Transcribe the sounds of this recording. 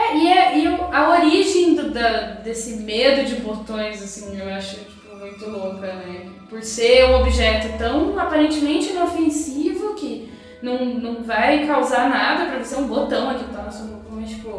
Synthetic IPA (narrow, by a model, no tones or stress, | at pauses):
ɛɪɛɪɐoɾiʒẽj̃d̪ʊd̪ɐd̪esɪmed̪ʊd͡ʒɪbot̪õj̃zasĩŋewaʃʊt͡ʃi̥pʊmũj̃t̪ʊlokɐnɛ | poɾseũobiʒɛt̪ʊt̪ɐ̃w̃apaɾẽnt͡ʃɪmẽnt͡ʃɪĩnofẽsivʊkɪ | nɐ̃w̃nɐ̃w̃vajkawzaɾnad̪ɐpɾɐvoseɾũbot̪ɐ̃w̃ɐkit̪anɐsõot̪õeʃko